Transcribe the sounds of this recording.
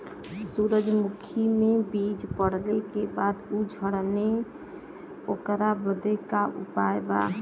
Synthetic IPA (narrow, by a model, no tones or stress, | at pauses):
suɾəd͡ʒmukʰimebid͡ʒpəɽlekebad̪ud͡ʒʱəɽne | okɾabəd̪ekaʔṵpaeba̰